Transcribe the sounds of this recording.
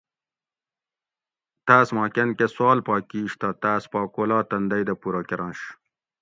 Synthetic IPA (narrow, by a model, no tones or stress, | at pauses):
t̪aːsmɑːkenkeswɑːlpɑːkiːɕt̪ɐt̪aːspɑːkoːlɑːt̪ɐnd̪ɐjd̪ɐpuɾokeɾɑ̃ːnɕ